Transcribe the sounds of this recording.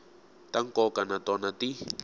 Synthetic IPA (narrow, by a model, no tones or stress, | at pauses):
taŋkʼɔkanatɔnati